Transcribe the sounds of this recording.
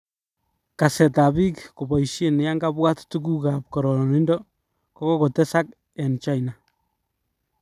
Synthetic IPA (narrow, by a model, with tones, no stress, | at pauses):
kasɛ˨ta˨bi˦kko˨bɔ˨jʃe˦nɪ˨ja˦ŋɡabwa˦ttu˦k̬u˦kap̚kɔ˨ɾɔnɪ˦ndɔ˦ | kɔ˦ko˦ko˨tɛ˦sa˦k | ɛ˨nt͡ʃa˦jna˨